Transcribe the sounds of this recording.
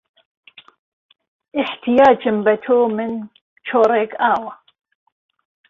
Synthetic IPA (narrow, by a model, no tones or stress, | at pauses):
ʔɪħt̪ʰijaːd͡ʒɪmbɐt̪ʰoːmɨn | t͡ʃʰoːɾˤeːkaːwɐ